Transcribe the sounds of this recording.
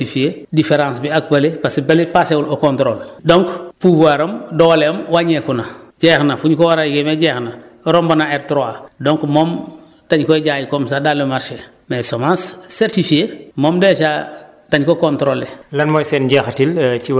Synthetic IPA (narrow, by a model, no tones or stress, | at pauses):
ifiedifeɾãːnsbiak̚balepasebalepaseulokõntɾoːldoŋkpuvaɾɐmdɔwalemwaɲekunaɟɛːxnafuɲkowaɾajɡemeɟeːxnaɾombanaeɾtɾoadoŋkmom | taɲkɔɟaːjikomsadalːəmaɾʃe | mesomãnsseɾtifiemoːmdeʃa | taɲkokontɾolelanmojsɛnɟɛxtilt͡ʃi